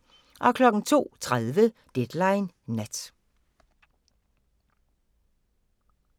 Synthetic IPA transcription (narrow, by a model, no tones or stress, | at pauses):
ʔɒ̽kʰlɒ̽ɡ̥n̩t͡sʰo̝̰ːt͡sʰʁaðˠʋəd̥ed̥lɑ̈ɪnː | æd̥